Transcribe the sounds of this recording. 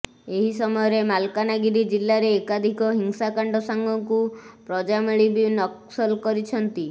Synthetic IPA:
eɦisɔmɔjɔɾemalkanaɡiɾid͡ʒilːaɾeːkad̪ʱikɔɦiŋsakaɳɖɔsaŋɡʱɔŋkupɾɔd͡ʒameɭibinɔksɔlkɔɾit͡ʃʰɔnt̪i

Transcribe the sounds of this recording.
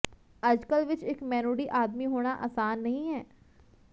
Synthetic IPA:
ɐd͡ʒkəlʋɪt͡ʃekmɛːnuːɽiʔaːd̪miɦoːɽ̃aʔa̰ːsaːnːɐɦĩɦɛː

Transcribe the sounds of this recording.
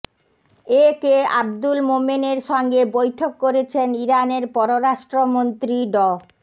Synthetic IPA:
ekea̰bd̪ulmomineɾʃɔŋɡebojʈʰokːoɾet͡ɕʰeniɾaneɾpɔɾoɾaʃʈɾomont̪ɾiɖɔ

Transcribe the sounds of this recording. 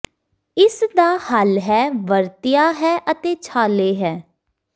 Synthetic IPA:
ɪsd̪aːhəlɦɛːʋəɾt̪ɪjaːɦɛːʔət̪eːt͡ʃʰaːleːɦɛː

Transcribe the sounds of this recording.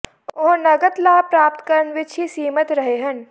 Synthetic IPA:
oːnɐɡət̪laːpɾaːp̚t̪kəɾənʋɪt͡ʃʰisiːmət̪ɾɐɦeɦɐn

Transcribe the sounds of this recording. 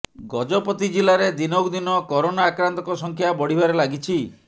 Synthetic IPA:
ɡɔd͡ʒɔpɔt̪id͡ʒilaɾed̪inɔkd̪inɔkɔɾonaːkɾant̪ɔkɔsɔŋkʰjabɔɽ̤ibaɾelaɡit͡ʃʰi

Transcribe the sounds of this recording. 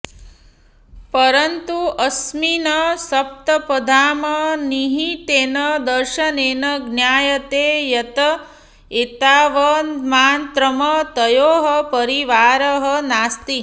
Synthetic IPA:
pəɾənt̪uʔɐsminəsɐp̚t̪ɐpɐd̪ʱaːməniɦiʈeːnəd̪əɾʃɐneːnɐɡnjaːjɐt̪ejɐt̪ɐ | et̪aːʋɐnmaːnt̪ɾəmɐt̪əjoːɦəpəɾiʋaːɾəɦənaːst̪i

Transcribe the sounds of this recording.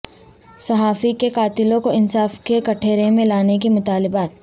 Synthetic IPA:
sɐɦaːfikekaːt̪ɪlõkoɪnsaːfkekɐʈʰeːɾemẽlaːnekemʊt̪aːlɪbaːt̪̚

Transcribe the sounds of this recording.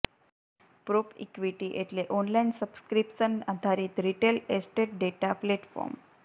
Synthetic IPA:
pɾopʰḭkʋiʈiʔeʈ̪leʔɔnlainsəbskɾipɕənad̪ʱaɾiːt̪ɾiʈelesʈeʈ̚ɖeʈapleʈfɔ̰ɾm

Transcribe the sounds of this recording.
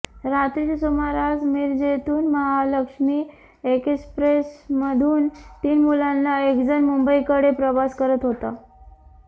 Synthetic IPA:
ɾat̪ɾiksumaɾad͡zmiɾd͡ʑet̪uːnməɦaləkʂmiː | ekspɾesməd̪ʱuːnt̪iːnmulanːaekd͡zənmumbəikəɽepɾəʋaskəɾət̪ɦot̪a

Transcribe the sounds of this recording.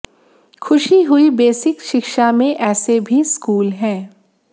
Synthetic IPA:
xʰʊʃiɦʊibeːsɪkʃɪkʃamẽʔɛːsebʱiskuːlɦɛ̃ː

